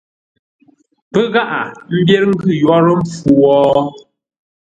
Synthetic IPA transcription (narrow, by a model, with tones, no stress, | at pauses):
pə˦ɣa˦ʔa˨m̩˦bje˦ɾŋ̩˦ɡʉ˦˨jwɔ˦ɾə˦ɱ̩˦fu˨wɔː˦